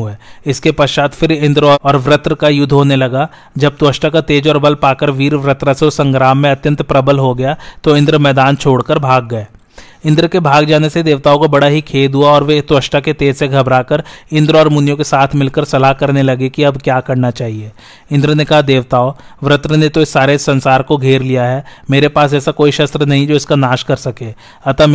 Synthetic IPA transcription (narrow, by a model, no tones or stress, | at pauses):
ɦeːɪskepɐʃaːt̪fʰɪɾɪ̃nd̪ɾoɔːɾʋɾɪt̪ɾəkajʊd̪ʱːɦoːnelɐɡa | d͡ʒɐb̚d̪wəʃʈakat̪eːd͡ʒɔːɾbɐlpaːkəɾʋiːɾʋɾət̪ɾassɐ̃ŋɡɾaːmːẽɐt̪jə̃nt̪pɾɐbəlɦoɡɐjat̪oɪ̃nd̪ɾmɛːd̪aːnt͡ʃʰoːɽkəɾbʱaːɡ̚ːɐeː | ɪ̃nd̪ɾkebʱaːɡd͡ʒaːnesed̪eːʋt̪aːokabɐɽaɦikʰeːd̪ɦuaɔːɾʋed̪wəʃʈaket̪eːd͡ʒseɡʱɐbɾaːkəɾɪ̃nd̪ɾɔːɾmʊnjõkesaːt̪ʰmɪlkəɾsɐlaɦkɐɾnelɐɡekiɐbkjaːkɐɾnat͡ʃaːɦieː | ɪ̃nd̪ɾənekɐɦad̪eːʋt̪aːoʋɾɪt̪ɾənet̪oɪsːaːɾesɐ̃nsaːɾkoɡʱeːɾlijaɦɛːmeːɾepaːsɛːsakoːiʃɐst̪ɾənɐɦĩd͡ʒoːɪskanaːʃkɐɾsɐkẽː | ɐt̪am